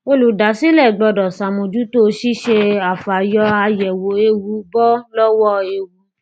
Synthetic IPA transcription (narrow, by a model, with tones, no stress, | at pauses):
o˧lu˨da˨˦si˦lɛ˦˨ɡ͡bɔ˧dɔ˨sa˨mõ˨d͡ʒu˨˦to˦ʃi˦ʃe˧a˨fa˨jɔ˧a˧jɛ˨wo˨˦e˧wu˨˦bɔ˦lɔ˦wɔ˦e˧wu˨˦